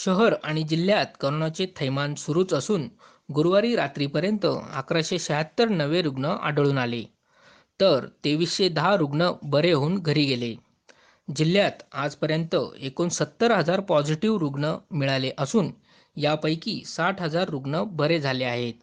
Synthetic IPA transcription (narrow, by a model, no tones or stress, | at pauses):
ɕəɦəɾaɽ̃id͡ʑil̤jat̪̚kəɾoɳat͡ɕet̪ʰəjmansuɾuːt͡səsuːn | ɡuɾʋaɾiːɾat̪ɾiːpəɾjənt̪ə̰a̰kɾaɕeɕəɦat̪ːəɾnəʋeɾuɡɳəa̰ɖəɭuːnale | t̪əɾt̪eʋiɕed̪ɦaɾuɡɳəbəɾeɦoːnɡʱəɾiːɡele | d͡ʑilːjat̪ad͡zpəɾjənt̪ə̰ekonsət̪ːəɾɦəd͡zaɾpɔd͡ʑiʈiʋɾuɡɳəmiɭaleʔəsuːn | japəjkiːsaʈʰɦəd͡zaɾːuɡɳəbəɾed͡zʱaleaɦet̪̚